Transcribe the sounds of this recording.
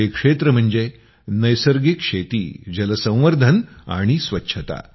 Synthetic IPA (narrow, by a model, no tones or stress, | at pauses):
ekʂet̪ɾəm̤əɳd͡ze | nəjsəɾɡikʂet̪ḭːd͡ʑələsə̃w̃ʋəɾd̪ʱəna̰ɽ̃isʋətːɕʰət̪a̰